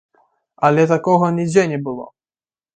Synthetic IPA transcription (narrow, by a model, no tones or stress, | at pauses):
alɛt̪akɔɣɔnʲiɡd͡ʑɛɲɛbɘwɔ̰